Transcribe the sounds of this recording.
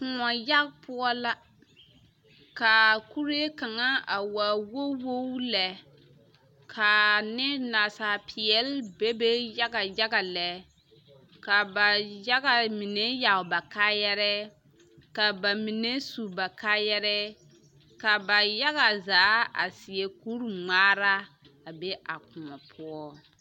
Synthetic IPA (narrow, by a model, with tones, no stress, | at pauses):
kʊ˨ŋɔ˨ja˦ɡpʰʊ˦ɔ˦la˦ | ka˨ku˦ɾi˦e˦ka˨ŋa˦a˨wa˨wo˦wo˦lɛ˨ | kʰa˨nɪ˦na˨sa˨pʰɪ˨ɛ˨lbe˦be˦ja˦ɡa˨ja˦ɡa˨lɛ˨ | ka˨ba˨ja˦ɣa˨mi˨ne˦ja˨ʊ˨ba˨kaː˦jɛ˦ɾɛ˦ | ka˨ba˨mi˨ne˦su˨ba˨ka˦jɛ˦ɾɛ˦ | ka˨ba˨ja˦ɣa˨zaː˨˦a̰˨sɪ˨ɛ˨ku˦ɾŋ͡maː˦ɾa˦ | a˨be˦ʔa˨kʊ˨mɔ˨pʰʊ˦ɔ˦